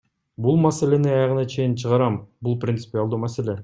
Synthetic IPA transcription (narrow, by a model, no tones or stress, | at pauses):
bulˠmæseleniɑjɑʁɤ̆nɑt͡ʃʰe̞jint͡ʃʰəʁɑɾɑmbulˠprʲɪnt̪sɨ̥pʲialˠd̪umæselʲe